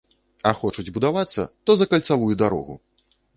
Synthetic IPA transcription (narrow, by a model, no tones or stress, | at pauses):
ɐxɔt͡ʂud͡zʲbud̪avat̪sːɐ̰t̪ɔzɐkɐlʲt̪savujud̪aɾɔ̰ɣṵ